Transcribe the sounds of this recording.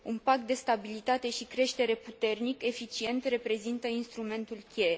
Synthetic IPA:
unpak̚t̪̚d̪e̞st̪abilit̪at̪e̞ʃikɾe̞ʃt̪e̞ɾe̞put̪e̞rnike̞fit͡ʃie̞nt̪re̞pɾe̞zint̪əinst̪ɾume̞nt̪ulkʲe

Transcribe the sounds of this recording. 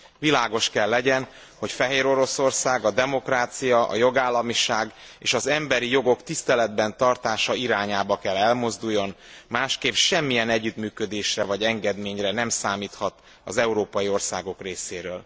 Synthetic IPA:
vilaːɡo̞ʃkɛlːɛɟɛn | ho̞cfɛɦeːɾo̞ɾo̞so̞rsaːɡɒd̪ɛmo̞kraːt̪sijɒʔɒ̰jo̞ɡaːlːɒmiʃaːɡ | eːʃɒzɛmbɛɾijo̞ɡo̞kt̪ist̪ɛlɛd̪bɛnt̪ɒrt̪aːʃɒiɾaːɲaːbɒkɛlːɛlmo̞zd̪ujːo̞nmaːʃkeːpʃɛmːijɛnɛɟːyt̪myːkø̞d̪eːʃrɛvɒɟɛŋɡɛd̪meːɲrɛnɛmsaːmiːt̪hɒt̪ | ɒ̰zɛuɾoːpɒjio̞rsa̰ːɡo̞kreːseːɾøːl

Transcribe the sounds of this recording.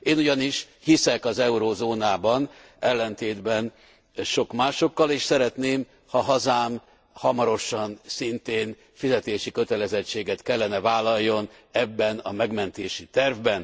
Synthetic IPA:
eːnuɟɒniʃ | hisɛkɒzɛuɾoːzoːnaːbɒn | ɛlːɛnt̪eːd̪bɛn | ʃo̞kmaːʃo̞kːɒleːʃsɛɾɛt̪neːm | hɒɦɒzaːm | hɒmɒɾo̞ʃɒnsint̪eːn | fizɛt̪eːʃikø̞t̪ɛlɛzɛt͡ʃːeːɡɛt̪kɛlːɛnɛvaːlːɒjːo̞nɛbːɛnɒ̰mɛɡmɛnt̪eːʃit̪ɛrvbɛn

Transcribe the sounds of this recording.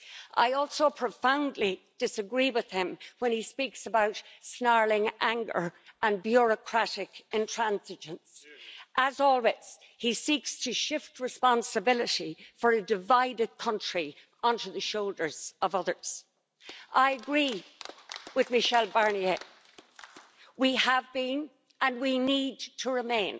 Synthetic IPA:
ʔa̰ɪɔlˠsoʊpʰɹ̥əfãʊ̃ndˡli | d̥ɪsəɡɹiwɪð̥ɪ̃mwə̃nispiksəbaʊtsnɑɹlɪ̃ŋʔæ̃ŋɡə̰˞ʔə̃nbjʊɹəkʰɹ̥aɾɪkɪ̃ntʰɹ̥æ̃nzɪd͡ʒə̃nsʔəzɔlˠwɪts | hisikstʰəʃɪft̚ɹɨspɑ̃nsəbɪlɪɾifə˞ɨdɨvaɪdɨd̚kʰʌ̃nt͡ʃɹ̥i | ʌ̃ntʉðəʃoʊlˠdə˞z̥ʌvʌðə˞z̥ | ʔaɪəɡɹi | wɪðmɨʃɛlˠbɑɹnie | wiəvbĩn | ə̃nwinid̚tʰəɹɪmẽɪ̃n

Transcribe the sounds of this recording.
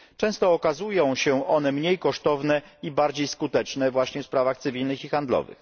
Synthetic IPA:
t͡ʂɛ̃w̃st̪ɔːkazujɔ̃w̃ɕɛʔɔn̪ɛmɲejkɔʂt̪ɔvnɛibaɾd͡ʑejskut̪ɛt͡ʂnɛvwaɕɲɛfspɾavaxt̪sɘvʲilnɘxixand̪lɔ̰vɘ̰x

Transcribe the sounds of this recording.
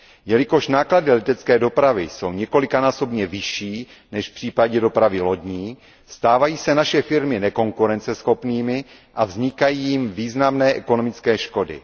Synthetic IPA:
jɛlɪko̞ʃnaːkladɪlɛt̪ɛt͡skɛːdo̞pɾavɪso̞wɲɛko̞lɪkanaːso̞bɲɛvɪʃiː | nɛʃfpr̝̥iːpaɟɛdo̞pɾavɪlo̞ɟɲiː | st̪aːvajiːsɛnaʃɛfɪɾmɪnɛko̞ŋkuɾɛnt͡sɛsxo̞pniːmɪ | ʔavzɲɪkajiːjɪmviːznamnɛːʔɛko̞no̞mɪt͡skɛːʃko̞dɪ̰

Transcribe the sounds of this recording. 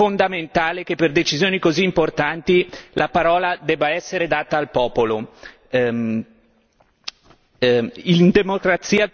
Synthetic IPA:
ond̪ament̪aːlekepːerd̪et͡ʃizjoːnikoziːmport̪ant̪ilʔapaɾɔːlad̪ɛːbaɛsːeɾed̪aːt̪aːlpɔːpolo | ind̪emokɾat̪siːa

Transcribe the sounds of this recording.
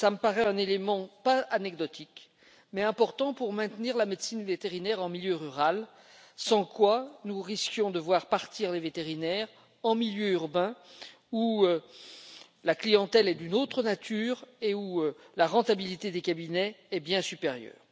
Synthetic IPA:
saməpaʁɛɛ̃nelemɑ̃paanɛɡd̪ɔt̪ʰik | mɛɛ̃pɔʁt̪ɑ̃puʁmɛ̃t̪niʁlamed̪sinvet̪eʁinɛʁɑ̃miljøʁyʁal | sɑ̃kwanuʁiskjɔ̃d̪əvwaʁpaʁt̪iʁlevet̪eʁinɛʁ | ɑ̃miljøyʁbɛ̃ | uø | laklijɑ̃t̪ɛlɛd̪ynot̪χənat̪ʰyːʁeuølaʁɑ̃t̪abilit̪ed̪ekabinɛːbjɛ̃sypeʁjœ̰ːʁ

